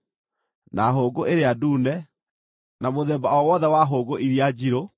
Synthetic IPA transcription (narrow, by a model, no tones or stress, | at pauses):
naɦoːɡoʔeɾeaduːnɛ | namoðɛːbaɔwɔðɛwaɦoːɡoʔiɾiad͡ʑiɾo